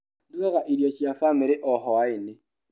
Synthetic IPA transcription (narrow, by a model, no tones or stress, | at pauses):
duɛɣaʔidjɔt͡ʃʼiafamɪɾɪʔɔhɔwaɪnɛ